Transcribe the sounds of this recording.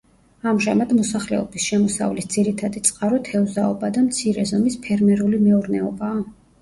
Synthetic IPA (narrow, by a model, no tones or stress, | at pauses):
amʒamad̪mɔsaχlɛ̰ɔbisʃɛmɔsa̰vlisd̪z̥iɾit̪ʰad̪it̪sʼqʼaɾɔt̪ʰɛuzaɔbad̪amt̪sʰiɾɛzɔmispʰɛɾmɛɾulimɛuɾnɛɔbaː